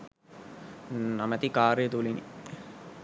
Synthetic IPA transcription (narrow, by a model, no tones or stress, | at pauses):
namət̪ikaːɾəjət̪ulinḭ